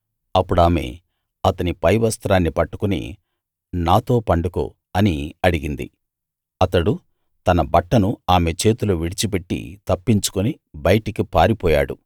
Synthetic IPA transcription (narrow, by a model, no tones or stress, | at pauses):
ɐpːuɽaːme̞̰ː | ɐt̪ɐnipɐjʋɐst̪ɾaːnːipɐʈːu̥kunḭ | naːt̪o̞ːpɐɳɖuko̰ː | ɐniɐɽiɡind̪ḭ | ɐt̪ɐɽu | t̪ɐnɐbɐʈːɐnuaːme̞t͡ʃe̞ːt̪uluʋiɽit͡ʃipe̞ʈːḭt̪ɐpːiɲt͡ʃu̥kuni | bɐjʈikipaːɾipɔːja̰ːɽṵ